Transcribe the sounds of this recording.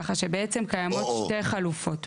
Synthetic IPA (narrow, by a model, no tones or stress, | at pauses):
χaʃebeet͡semkajamo̞t̪ʃteʁχalufo̞t